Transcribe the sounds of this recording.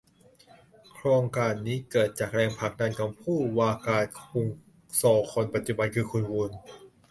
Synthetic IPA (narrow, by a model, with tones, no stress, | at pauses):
kʰɾoː˧ŋkaː˧nːiː˦˥kɤː˨˩t̪̚t͡ɕaː˨˩k̚ɾɛː˧ŋpʰa˨˩k̚da˧nkʰɔː˨˩pʰuː˥˩waː˧kaː˨˩t̪̚kʰu˧ŋ | sɔː˨˩˦kʰo˧npa˨˩t̪̚t͡ɕu˨˧ba˧nkʰɯː˧kʰu˧nwu˧n